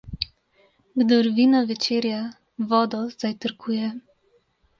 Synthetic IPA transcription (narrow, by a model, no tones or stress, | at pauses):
ɡd̪ɔɾvinavɛt͡ʃeɾja | vɔːd̪ɔzajt̪əɾkʰuːjɛ